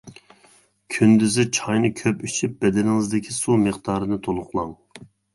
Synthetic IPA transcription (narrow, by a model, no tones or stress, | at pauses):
kʲʰynd̪yzɪt͡ʃʰɑjnɨkʲʰøpyt͡ʃʰyp̚bɛd̪ɛnɪŋɨzd̪ɪkʲʰisumɨχd̪ɑːɾɨnɨt̪ʰolˠʊqlˠɑŋ